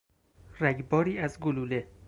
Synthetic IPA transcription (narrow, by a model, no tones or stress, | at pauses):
ræɡbɒːɾiːæzɡolule